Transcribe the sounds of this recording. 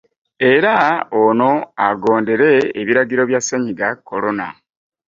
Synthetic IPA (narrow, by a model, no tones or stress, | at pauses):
e̞ɾaono̞aɡo̞ːnde̞ɾe̞ːβiɾaɡiɾo̞βjaseɲiɡakːo̞lo̞na̰